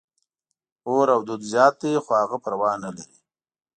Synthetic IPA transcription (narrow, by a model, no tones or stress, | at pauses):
oɾawd̪ud̪zjɑːt̪̚d̪exohaɣapəɾawɑːnalaɾi